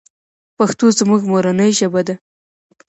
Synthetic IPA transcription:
paxt̪ozmuɡmoɾanəjʒəbad̪a

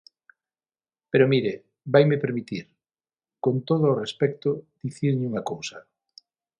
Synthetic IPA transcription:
peɾomiɾe | bajmepeɾmit̪iɾ | kont̪oð̞ʊːrespɛk̚t̪ʊd̪̥iθiɾɲuŋɐkowsɐ

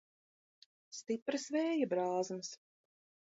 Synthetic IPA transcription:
st̪ipɾɨsvɛːjabɾaːzms

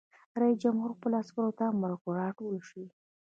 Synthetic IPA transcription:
ɾɑid͡ʒamhuɾxpəlaskəɾot̪amaɾkoɾɑʈolʃwi

